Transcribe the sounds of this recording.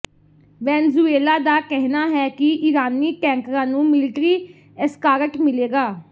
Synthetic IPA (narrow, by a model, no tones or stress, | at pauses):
ʋɛːnzuːeːlaːd̪aːkɛɦnaːɦɛːkɪʔɪɾaːniːʈɛ̃ːŋkɾãːnũːmɪlɪʈɾiː | əskaːɾəʈmɪleːɡaː